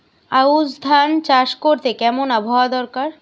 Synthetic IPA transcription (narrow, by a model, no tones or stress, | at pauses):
auzd̪ʱant͡ɕaʃkoɾt̪ekɛmonabʱaoad̪ɔɾkaɾ